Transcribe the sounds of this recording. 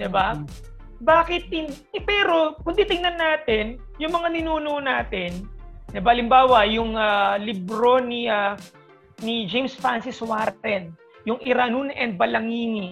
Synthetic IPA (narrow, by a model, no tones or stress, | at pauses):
d̪ɪba | baːkɪt̪̚ːɪn | ɛpɛɾo̞kʊnt̪it̪ɪŋnɐnːaːt̪ɛn | jʊŋmɐŋanɪnuːnoʔonaːt̪ɛnd̪ɪbahɐlɪmbaːwɐjʊŋalɪbɾo̞nia | nid͡ʒejmsfɹansɪswaɾt̪ɛn | jʊŋʔɪɾanunʔɛnd̪̚bɐlɐŋiːni